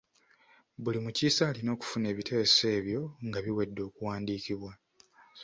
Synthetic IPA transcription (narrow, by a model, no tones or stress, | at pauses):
βulimuciːsaːlino̞ːku̥fune̞ːβitʰe̞se̞ːβjo̞ŋɡaβiwe̞dːo̞ːkuwaːndiːkiβwa